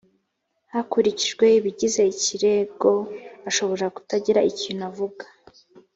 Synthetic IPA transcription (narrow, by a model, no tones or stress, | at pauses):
hakuɾiciʒɡwe̞iβiɟize̞iciɾe̞ɡo̞aʃo̞βo̞ɾaku̥taɟiɾaiciːn̥uavuɡḁ